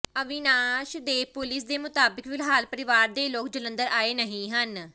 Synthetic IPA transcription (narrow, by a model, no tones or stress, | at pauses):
əʋɪnaːʃd̪eːpʊlɪsd̪eːmʊt̪aːbɪkʋɪlɦaːlpəɾɪʋaːɾd̪eːloːk̚d͡ʒələ̃nd̪əɾaːeːnəɦĩːɦən